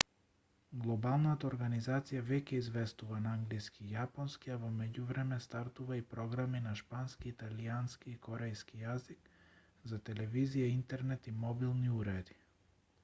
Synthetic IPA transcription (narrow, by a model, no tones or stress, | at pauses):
ɡlˠɔbalˠnat̪aɔɾɡanizat̪sijavɛcɛizvɛst̪uvanaaŋɡliskijapɔnskiavɔmɛɟuvɾɛmɛst̪aɾt̪uvaipɾɔɡɾaminaʃpanskiːt̪alianskiːkɔɾɛjskijazik | zat̪ɛlɛvizijaint̪ɛɾnɛt̪imɔbilˠniuɾɛd̪i